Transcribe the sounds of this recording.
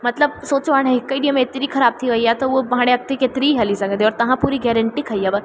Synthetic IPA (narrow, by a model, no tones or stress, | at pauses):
mɐt̪ləb̚soːt͡ʃʋaɽɦəikːəiɖiəmẽet̪ɾiːkʰɐɾab̚t̪ʰiʋəjat̪oʋomɦãɽ̃eɐk̚t̪eket̪ɾiɦɐlisɐ̃ŋɡənd̪eɔːɾt̪ɐɦãpuɾiɡɛɾəɳʈikʰɐjːaʋə